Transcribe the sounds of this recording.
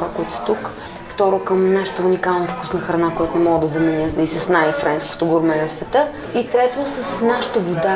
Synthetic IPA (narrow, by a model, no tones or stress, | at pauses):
ɾakoit̪ʊ̥sɛ̥t̪uk | ft̪ɔɾokəmnaʃə̥t̪əunikalˠnɐfku̥snəxɾɐnakojat̪onɛmɔɡəd̪ɐzɐmɛnʲəisɐsnajfɾʔɛnsko̥t̪oɡoɾmɛnɐsvɛt̪ɤ | it̪ɾɛt̪osəsnaʃə̥t̪əvod̪a